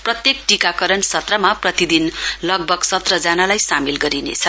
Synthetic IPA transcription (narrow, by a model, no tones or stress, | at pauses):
prʌt̪jekʈikakʌɾʌnsʌt̪rʌmaprʌt̪id̪inlʌɡ̚bʱʌɡsʌt̪rʌd͡zanalajsamilɡʌɾinḛt͡sʰʌ